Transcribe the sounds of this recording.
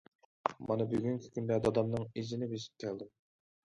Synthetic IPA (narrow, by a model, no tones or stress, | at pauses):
mɑnɨbyɡʲyŋkʲʰi̥kʲʰynd̪ɛd̪ɑd̪ɑmnɨŋizɪnɪbeʃi̥p̚t̪ʲʰɛlˠd̪ɨm